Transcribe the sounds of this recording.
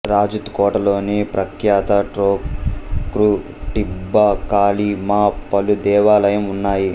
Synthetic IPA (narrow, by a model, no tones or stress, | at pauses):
ɾaːd͡ʒut̪kɔːʈɐlo̞ːnipɾɐkjaːt̪ɐʈɾoːkɾu | ʈibːɐkaːlimaːpɐlud̪ɛːʋaːlɐjɐmunːaːji